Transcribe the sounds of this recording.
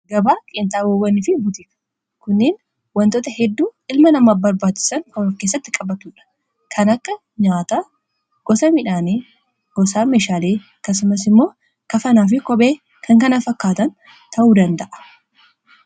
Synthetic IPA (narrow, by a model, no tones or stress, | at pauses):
ɡɐbaːkʼɪnt̪ʼaːwɐwːɐnɪfɪbʊt̪ɪɐ̥ | kʊnːeːn | wɐnt̪oːt̪ɐhɛd̪ːuːɪlmɐnɐmaːbɐɾbaːt͡ʃːɪ̥sɐŋkɐfkeːs̬ːɐt̪ːɪkʼɐbɐt̪uːᶑɐ̥ | kʰɐnɐkːɐ | ɲaːt̪aː | ɡ̥ɔsɐmɪᶑaːneː | ɡ̥ɔsaːmeːʃaːleːɐkːɐs̬ʊmɐs̬ɪmːo̞ː | kɐfɐnaːf̬ɪkɔbe̞ː | kʰɐŋkɐnafɐkːaːt̪ɐn | t̪ʰɐʔuːd̪ɐnd̪ɐʔɐ̥